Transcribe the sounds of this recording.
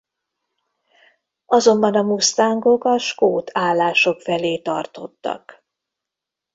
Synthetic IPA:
ɒzo̞mbɒnɒmust̪aːŋɡo̞kɒʃkoːt̪ʰaːlːaːʃo̞kfɛleːt̪ɒ̰rt̪o̞̰t̪ːɒ̰k

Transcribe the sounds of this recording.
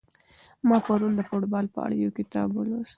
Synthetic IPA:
mɑpaɾund̪əfoʈbɑlpə̰a̰ɽjokɪt̪ɑ̰bwəlost̪

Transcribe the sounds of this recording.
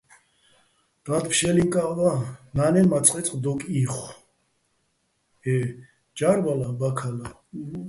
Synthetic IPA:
d̪̥ad̪pʰʃɛliŋkʼavananɛmat͡sʼqʼɛt͡sʼqʼd̪ɔkʼiχ | ɛ | d͡ʒaɾvalabakʰala

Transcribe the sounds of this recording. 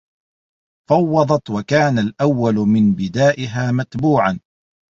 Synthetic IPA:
fɑwːɑd̪ˤɑt̪wakaːnalʔawːalmɪnbɪd̪aːʔɪɦaːmat̪buːʕan

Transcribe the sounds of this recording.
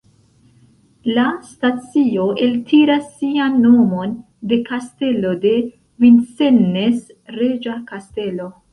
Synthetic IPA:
lastat͡sio̞e̞ltʰiɾasːianːo̞mo̞n | de̞kaste̞lo̞de̞ | vinsenːe̞s | ɾe̞d͡ʒakaste̞lo̞

